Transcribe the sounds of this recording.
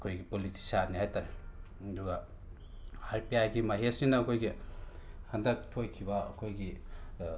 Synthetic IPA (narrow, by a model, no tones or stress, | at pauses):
ɐkʰojɡipoliti̥sanːihajtaɾe | duɡɐ | haɾpijajɡimɐɦesiŋnɐɐkʰojɡi | hɐndɐk̚tʰojkʰibɐɐ̰kʰojɡi